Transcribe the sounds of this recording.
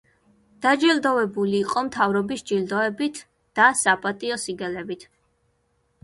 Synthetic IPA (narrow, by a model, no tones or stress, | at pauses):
d̪̥ad͡ʒild̪ɔvɛbuliːqʼɔmt̪ʰavɾɔbisd͡ʒild̪ɔɛbit̪ʰ | d̪̥asapʼat̪ʼiɔsiɡɛlɛbit̪ʰ